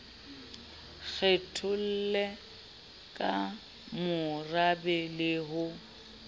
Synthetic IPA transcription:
k͡xʰɛtʰʊl̩lɛ | kʼa | mʊrabɛlɪɦʊ

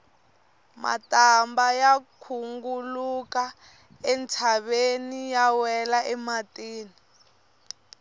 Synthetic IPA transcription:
ma̰tambajakʰuŋɡuluka | ɛntʰaβenijawɛlaʔɛmatiːni

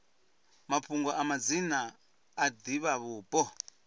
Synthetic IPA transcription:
mapʰuŋɡɔʔamad͡zinaː | d̪iβaβuːpʼɔ

